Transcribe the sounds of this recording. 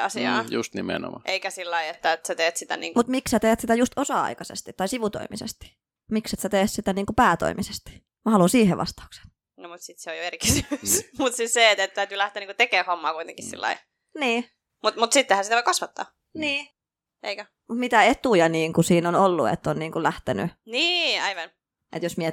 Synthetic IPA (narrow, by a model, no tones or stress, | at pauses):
ɑsiɑ̰ːjṵst̪nimḛno̰mɑ̰ʔeikæsilːɑiet̪ːæet̪set̪eːt̪sit̪æ̰nḭːŋmut̪mikssæt̪eːt̪sit̪æjust̪osɑɑ̰ikɑsḛst̪it̪ːɑisiʋut̪o̰imḭsḛst̪i̥ | mikset̪sæt̪eːssit̪æniːŋkupæːt̪o̰imisest̪i̥ | mɑhɑlunsiːheʋɑ̰st̪ɑ̥u̥kse̥n̥ | nomut̪sit̪seojoeriksysmut̪sisset̪et̪t̪æyt̪ylæht̪eːniŋkut̪ekeːhomːɑːkuit̪ḛ̃ŋkissḭlːɑ̰i | niː | mut̪mut̪sit̪ːehænsiæoikɑsʋɑt̪ːɑ̰ː | niː | ʔeikæ | mut̪mit̪æet̪ujɑniːŋkusiːnonolːṵḛt̪ːonniːŋkulæht̪eny̰niːɑiʋɑn | ʔḛt̪josmie